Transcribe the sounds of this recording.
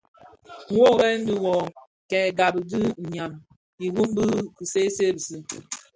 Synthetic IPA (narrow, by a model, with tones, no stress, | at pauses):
ŋ̩˦wo˦˨ɣɛ˦n̩˦di˦wɔ˨ | kɛ˨ɡa˨bɨ˨dɨ˦˨ɲa˨m | i˨ɣu˦m˦bɨ˦i˨se˦se˦˨bi˨si˦